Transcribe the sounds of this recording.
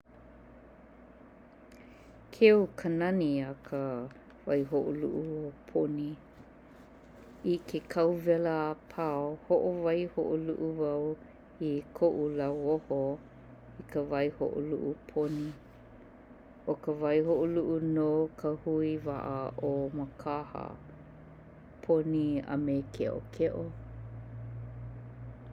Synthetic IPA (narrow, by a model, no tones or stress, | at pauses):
kʰeukʰənɐniɐkʰə | vajɦoʔo̰lṵʔuopʰoni | ikʰekʰɐwvɛləapʰaohoʔovajhoʔolṵʔuvaw | ikʰoʔulɐwoho | ikʰəvajho̰ʔo̰luʔupʰoni | okəvajhoʔoluʔunokʰəhuiva̰ʔəʔoməkʰahə̰ | pʰoniɐ̰mekʰeʔo̰kʰeʔo